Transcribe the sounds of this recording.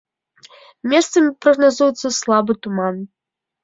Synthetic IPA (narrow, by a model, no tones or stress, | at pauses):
mʲɛst̪sɐmʲipɾɐɣnazujɛt̪sːɐslˠabɨt̪uman